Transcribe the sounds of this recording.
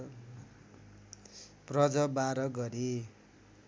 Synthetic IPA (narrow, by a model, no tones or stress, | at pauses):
prʌd͡zʌbaɾʌɡʌɾi